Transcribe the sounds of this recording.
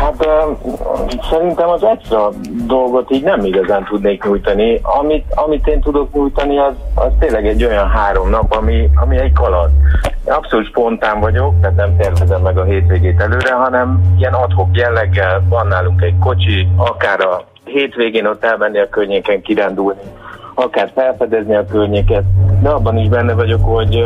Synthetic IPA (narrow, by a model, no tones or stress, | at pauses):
hat̪ː | sɛɾint̪ɛmɒzɛt̪sɾɒ | d̪o̞lɡo̞t̪iːɟnɛmiɡɒzaːnt̪ud̪neːkɲujt̪ɒniɒmit̪ɒmit̪eːnt̪ud̪o̞kɲujt̪ɒniɒzɒ̰zt̪eːnlːɛɡɛɟːo̞jɒnɦaːɾo̞mnɒpɒmiɒmiɛɟkɒlɒt̪eːnɒpsolut̪ʃpo̞nt̪aːɱvɒɟo̞k̚t̪aːt̪nɛmt̪ɛrvɛzɛmːɛɡɒɦeːt̪ʋeːɡeːt̪ɛløːɾɛɦɒnɛmiɛnɒt̪hokjɛlːɛɡːɛlvɒnːaːluŋkɛɟko̞t͡ʃiɒkaːɾɒ | ɦeːt̪ʋeːɡeːno̞t̪ːɛlmɛnːiɒkørɲeːkɛŋkiɾaːnd̪ulniɒkaːrfɛlfɛd̪ɛzniɒkørɲeːkɛt̪̚d̪ɛɒbːɒniʒbɛnːɛvɒɟo̞kho̞ɟ